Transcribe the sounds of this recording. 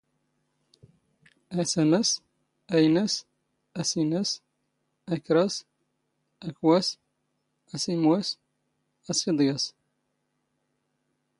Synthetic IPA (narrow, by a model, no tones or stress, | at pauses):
æsæmæs | æjnæs | æsinæs | ækɾɑs | ækwæs | æsimwæs | æsid̪ˤɡɑs